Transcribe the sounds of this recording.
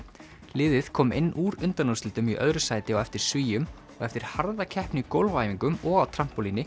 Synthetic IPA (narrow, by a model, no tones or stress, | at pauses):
lɪːðɪð̥kʰɔːmḛjnːuːɾʏnt̪anumsɪlt̪ʏmiʔœ̰ðɾʏsaːjt̪ɪɔɣɛft̪ɪɾ̥sviːjʏm | ɔɣɛft̪ɪɾ̥haɾðacʰɛhpnɪikowlvaːjviŋkʏmɔɣawt̪ʰɾam̥pɔlinɪ